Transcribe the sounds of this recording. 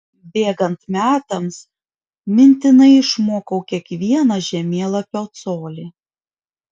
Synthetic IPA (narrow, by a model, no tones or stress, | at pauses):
bʲeːɡɐnt̪mʲæːt̪ɐms | mʲɪnʲt̪ʲɪnɐɪɪʃmoːkɐʊkʲiɛkʋʲiɛnɐʒʲɛmʲeːlˠɐpʲɛːt̪soːlʲɪ